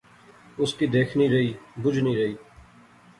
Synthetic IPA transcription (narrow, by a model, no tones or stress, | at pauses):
ʊskid̪eːkʰniɾɐɦiːbʊd͡ʒʱniɾɐɦiː